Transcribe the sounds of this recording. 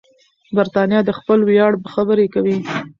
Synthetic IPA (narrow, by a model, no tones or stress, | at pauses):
baɾt̪ɑnijɑd̪əxpəlwjɑɽbəxabəɾekawi